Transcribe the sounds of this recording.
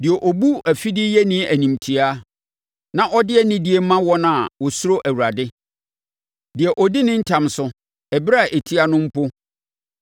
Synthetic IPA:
dɪ˨ɛ˨ʔɔ˨bu˦æ˨fi˦dɪ˦jɛ˦nĩ˦æ˨nĩ˨mtʰi˨a˦ | nã˦ʔɔ˦dɪ˦ɛ˦nɪ̃˦dɪ˦e˦mã˦wɔ˦nã˨wɔ˨sʊ˦ɾo˦ʔæ˨wu˨ɾa˨dɪ˦ | dɪ˨ɛ˨ʔɔ˨dɪ˦nɪ̃˦ɲ̩˦tʰã˨msʊ˨ | ɛ˨bi˦ɾa˦˨ʔe˨tʰi˦a˨nʊ̃˦m̩˦pʊ˦

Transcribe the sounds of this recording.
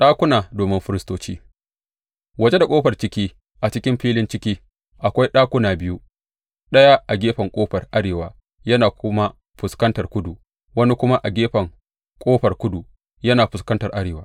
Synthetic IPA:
ɗaː˦kʷʊ˦naː˨doː˨mɪ˦mɸɪ˦ɾɪ˦stoː˦t͡ʃiː˦ | wɐ˨d͡ʒe˦da˨kʷʼoː˦ɸɐ˨rt͡ʃɪ˦kʲiː˦ | ʔa˨t͡ʃɪ˦kʲɪ˦mɸiː˦lɪ˦nt͡ʃɪ˦kʲiː˦ | ʔa˨kʷa˦jɗaː˦kʷʊ˦naː˨bɪ˦ju˦ | ɗɐ˦ja˦ʔa˨ɡʲeː˦ɸɐ˨ŋkʷʼoː˦ɸɐ˨rʔa˦ɽeː˨wa̰ː˨ | jɐ˦naː˨kʊ˦ma˦ | ɸʊ˨skɐ˦ntɐ˨rkʷʊ˦du˨ | wɐ˦ni˦kʷʊ˦ma˦ʔa˨ɡʲeː˦ɸɐ˨ŋ | kʷʼoː˦ɸɐ˨rkʷʊ˦du˨ | jɐ˦naː˨ɸʊ˨skɐ˦ntɐ˨rʔa˦ɽeː˨waː˦

